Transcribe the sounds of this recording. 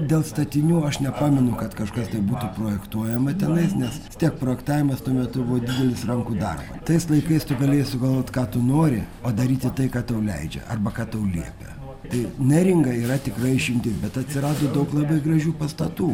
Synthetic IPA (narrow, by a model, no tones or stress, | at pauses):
d̪ʲeːlˠst̪ɐt̪ʲɪnʲuːɐʃnʲɛpɑːmʲɛnʊkɐt̪kɐʃkɐst̪ɐɪbuːt̪uːproːjɛkt̪uɔjɛmɐt̪ʲɛnɐɪsnʲɛsɪst̪ʲiɛk̚pɾoːjɛkt̪ɑːʋʲɪmɐst̪uɔmʲɛt̪ʊbʊʋɔd̪ʲiːd̪ʲɛlʲɪsrɐŋkuːd̪ɐ̰rbɐ̰t̪ɐɪslˠɐɪkɐɪst̪ʊɡɐlʲeːjɪsʊɡɐlˠʋoːt̪ʲkɑːt̪ʊnoːɾʲɪ | oːd̪ɐɾʲiːt̪ʲɪt̪ɐɪkɑːt̪ɐʊlʲɛ̰ɪd͡ʒʲɛ̰ʔɐ̰rbɐkɑːt̪ɐʊlʲiɛpʲɛ̰ | t̪ɐɪnʲɛɾʲɪŋɡɐiːɾɐt̪ʲɪkrɐɪɪʃʲɪmʲt̪ʲɪsbʲɛt̪ɐt̪ʲsʲɪɾɑːd̪oːd̪ɐʊklˠɐbɐɪɡɾɐʒʲuːpɐst̪ɐt̪uː